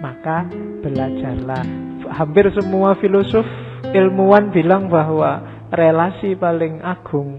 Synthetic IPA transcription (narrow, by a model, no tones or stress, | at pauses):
maka | b̥ə̤lad̥ʒ̥a̤rlahampɪrsəmuafilosof | ʔɪlmuwanb̥i̤laŋba̤ɦwa | relasipalɪŋaɡ̥ʊ̤ŋ